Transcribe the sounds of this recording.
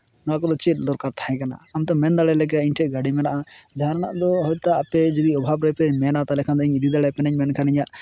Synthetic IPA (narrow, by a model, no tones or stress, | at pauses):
nakɔd̪ɔt͡ʃɛt̪̚ˀd̪ɔɾkaɾt̪ʰaj̃kana̰ːmt̪ɔmɛnd̪aɭɛlɛɡɛiɲʈʰɛʔɡaɽimɛnaʔad͡ʒaaɾana̰ʔd̪ɔɦɔt̪aapɛd͡ʒibiɔbʱabɾɔjpɛmɛnat̪alɛkʰand̪ɔiɲid̪ʱid̪aɽɛpɛnɛɲmɛnkʰaniɲaʔ